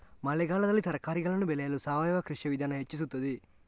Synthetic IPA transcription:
mɐlɛɡaːlɐd̪ɐlːit̪ʰɐɾɐkaːɾiɡɐɭɐnːubɛlɛjɐlusaːʋɐjɐʋaːkɾiʂjɐʋid̪ʱaːnɐɦet͡ʃːis̬ut̪ːɐd̪i

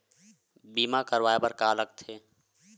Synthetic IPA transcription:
biːmakəɾʋaːjepəɾkaːləɡ̚t̪ʰeː

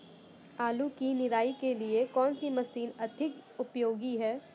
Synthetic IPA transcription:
aːlukinɪɾaːikeliekɔːnsimɐsiːnɐd̪ʱɪkʊpjoːɡiɦɛː

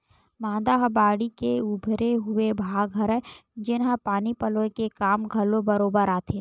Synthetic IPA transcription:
mãːd̪aɦbaːɽikeʊbʱɾeɦʊebʱaːɡʱɐɾəd͡ʒɪnɦə̃paːnipəlokekaːmɡʱɐlobəɾoːbəɾaːt̪ʰẽː

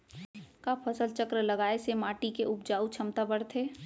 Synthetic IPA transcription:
kapʰəsəlt͡ʃəkɾələɡaːesemaːʈikeʔʊp̚d͡ʒaːut͡ʃʰɐmt̪abəɽt̪ʰeː

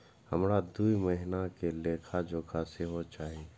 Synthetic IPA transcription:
hɐmɾad̪uːiməɦɪnakeleːkʰad͡ʒoːkʰaseɦot͡ʃaːɦeː

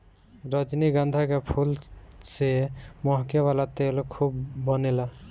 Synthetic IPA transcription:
ɾɔd͡ʒniɡãnd̪ʱakepʰulsemɔɦkewalat̪elkʰubːɔnela

